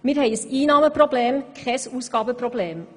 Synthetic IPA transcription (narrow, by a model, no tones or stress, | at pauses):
mɪt̪hœʏəsiːnɑməpʰɾʊbleːmkʰʁɛːsuːskɑːbəpʰɾʊbleːm